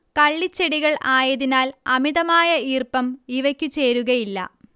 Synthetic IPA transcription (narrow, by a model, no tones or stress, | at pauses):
kɐɭːit͡ɕːe̞ɽiɣɐɭʔaːjɐðinaːlɐmiðɐmaːjɐiːrpɐmiʋɐkʲːut͡ɕe̞ːɾuɣɐjilːɐ̰